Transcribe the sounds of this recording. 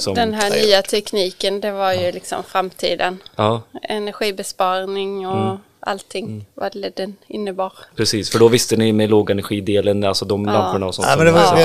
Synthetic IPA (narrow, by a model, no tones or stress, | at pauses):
sɔd̪ɛnɦæːnyːat̪ʰɛkniːkənd̪ɛvaɾjɵlɪksɔ̰mfɾamt̪ʰḭːd̪ənɑːɛnæɾɧiːbɛspɑːɾnɪŋɔ | ʔa̰lt̪ʰːɪŋːvald̪ɛnɪnːəbɑːɾpʰɾɛsiːsfœɖɔvɪst̪ənɪmɛloːɡaɛnæɾɧiːd̪eːlənalsɔd̪ɔmlampːəɳaɔsɔ̰ɛd̪ɛa